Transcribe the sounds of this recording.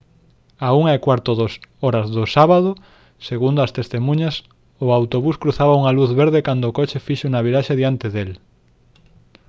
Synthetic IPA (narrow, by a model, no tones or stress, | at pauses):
auŋaekwaɾt̪oðosoɾɐzðʊsaβaðʊ | seɣund̪oast̪est̪emũɲɐs | ʊawt̪oβuskɾuθaβauŋaluθβeɾðekand̪oːkot͡ʃefiʃounaβ̞iɾaʃeðiant̪eðel